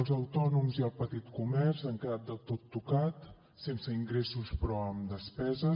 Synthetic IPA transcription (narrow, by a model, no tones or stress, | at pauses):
lˠzəwt̪ɔnumziəlˠpət̪it̪kumɛrzaŋkəðat̪̚d̪əlˠt̪ot̪ːukat̪ | sensəiŋɡɾesuspɾɔəmd̪əspɛzə